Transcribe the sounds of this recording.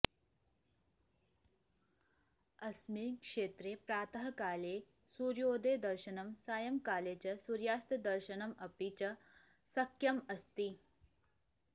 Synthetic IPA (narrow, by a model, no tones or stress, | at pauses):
ɐsmiːkʂeːt̪ɾeːpɾaːt̪ɐɦɐkaːleː | suːɾjoːd̪eːd̪ɐɾʃɐnɐmsaːjɐmkaːleːt͡ʃɐsuɾjaːst̪ɐd̪ɐɾʃɐnɐmɐpit͡ʃɐ | sɐkʰːjɐmɐst̪i